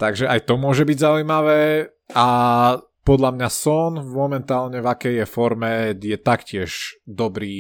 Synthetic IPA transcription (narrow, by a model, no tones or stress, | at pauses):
t̪aɡʒɛʔajt̪ɔmʊɔʒɛbiɟzaujmaʋɛː | a | pɔd̪ʎamɲasɔnmɔmɛnt̪aːlɲɛvakɛjjɛfɔɾmɛjɛt̪akcɪɛʒd̪ɔbɾiː